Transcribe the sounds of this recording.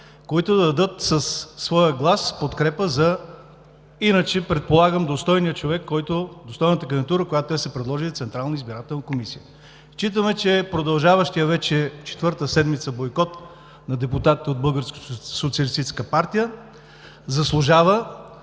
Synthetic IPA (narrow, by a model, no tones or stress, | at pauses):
koit̪ʊd̪ɐd̪ɐd̪ɤt̪sɐsːvɔjəɡlˠaspot̪kɾɛpəzɐ | inət͡ʃɛpɾɛt̪̚polˠaɡəmd̪ost̪ɔjnijət͡ʃovɛkːɔjt̪od̪ost̪ɔjnət̪əkɡɛnt̪uɾəkojat̪ɛsɛpɾɛd̪lˠɔʒit̪sɛnt̪ɾalˠnəizbiɾat̪ɛlˠnəkomisijə | ʃt͡ʃit̪̬əmɛt͡ʃɛpɾod̪ɐlˠʒavəʃt̪ijəvɛt͡ʃɛt͡ʃɛ̥t̪vɤɾt̪əsɛd̪mit̪səbojkɔt̪ | nɐd̪ɛput̪at̪it̪ɛod̪̚bɤlˠɡəɾsko̥sot̪siəlist̪it͡ʃɛskəpaɾt̪ijə | zɐslˠʊʒavə